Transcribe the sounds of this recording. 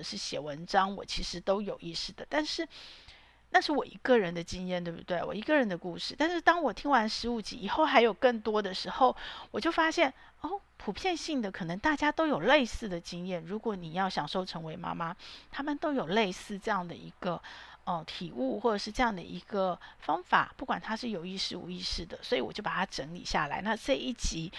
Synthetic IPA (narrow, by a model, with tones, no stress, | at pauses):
ʂɻ̩˥˩ɕjɛ˨˩wə˧˥nʈ͡ʂɑ˥ŋwɔ̰˨˩t͡ɕʰi˧˥ʂɻ̩˧˥t̪o˥ʊjo˨˩ʊʔi˥˧sɹ̩˥˩d̪ə˩t̪a˥˧nʂɻ̩˥˩ | na˥˧ʂɻ̩˥˩wɔ˨˩ḭ˧˥ɡə˥˨ɻə˧˥nd̪ə˧t͡ɕi˥ŋjɛ˥˩nt̪we˥˩bu˧˩t̪we˥˩ɪwɔ̰˨˩i˧˥ɡə˧ɻə˧˥nd̪ə˧ku˥˧ʂɻ̩˥˧t̪a˥˧nʂɻ̩˥˧t̪ɑ˥ŋwɔ˨˩t̪ʰi˥ŋwa˧˥nʂɻ̩˧˥u˨˩t͡ɕi˧˥i˨˩xo˥˩ʊxa˧˥ɪjo˨˩ʊkə˥˩ŋt̪wɔ˥d̪ə˨ʂɻ̩˧˥xo˥˩ʊwɔ˨˩t͡ɕjo˥˩ʊfa˥ɕjɛ˥˩n | o˥˩pʰu˨˩pʰjɛ˥˧nɕi˥˩ŋd̪ə˩kʰɤ˨˩nə˧˥ŋt̪a˥˩t͡ɕja˥t̪o˥ʊjo˨˩ʊle˥˧ɪsɹ̩˥˩d̪ə˩t͡ɕi˥ŋjɛ˥˩nɻu˧˥kwɔ˧˥ni˨˩jɑ˥˩ʊɕjɑ˨˩ŋʂo˥˩ʊʈ͡ʂʰɤ˧˥ŋwe˧˥ɪma̰˥ma˥t̪ʰa˥mə˨nt̪o˥ʊjo˨˩ʊle˥˧ɪsɹ̩˥˧ʈ͡ʂɤ˥˧jɑ˥˩ŋd̪ə̰˩ḭ˧˥ɡ̥ə˧ə˥˧t̪ʰi˨˩u˥˧xwɔ˥˩ʈ͡ʂə˨˩ʂɻ̩˥˧ʈ͡ʂɤ˥˧jɑ˥˩ŋd̪ə̰˩ʔḭ˧˥ɡ̥ə˧fɑ˥ŋfa̰˨˩˦pu˥˩kwa˨˩nt̪ʰa˥ʂɻ̩˥˩jo˨˩ʊi˥˧ʂɻ̩˥˩ṵ˨˥i˥˧ʂɻ̩˥˩d̪ə˩swɔ˧˥i˧˥wɔ̰˨t͡ɕjo˥˩pa˨˩t̪ʰa˥ʈ͡ʂə˧˥ŋlḭ˨˩ɕja̰˥˩la̰˧˥ɪna˥˧ʈ͡ʂe˥˧ɪi˥˩t͡ɕi˧˥